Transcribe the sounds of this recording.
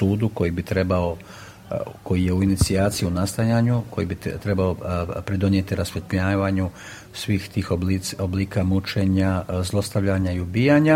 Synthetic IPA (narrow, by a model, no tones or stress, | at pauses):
uːd̪uko̞jibit̪ɾe̞bao̞ | ko̞jije̞uinit̪siaːt̪sijiunast̪ajaɲuko̞jibit̪ɾe̞baopɾed̪o̞nje̞t̪iɾasfet̪ʎaːʋaɲu | sʋiːxt̪iːxobliobliːkamut͡ʃe̞ɲazlˠo̞st̪aʋʎaɲaiubiːjaɲa